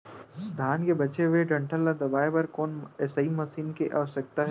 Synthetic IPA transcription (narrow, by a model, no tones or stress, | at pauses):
d̪ʱaːnkebɐt͡ʃeʋeɖɐ̃ɳʈʰəlːad̪ɐbaːepɐɾkɔːnɛːsaɦimɐsiːnkeʔa̰ːʋəʃək̚t̪aɦɛ